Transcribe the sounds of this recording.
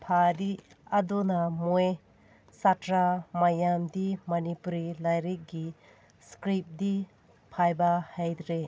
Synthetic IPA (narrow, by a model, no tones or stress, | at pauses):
pʰadi | ɐdonamoj | satɾamajamdimɐnipuɾilajɾik̚ɡi | skɾip̚di | pʰajbahajd̪ɾe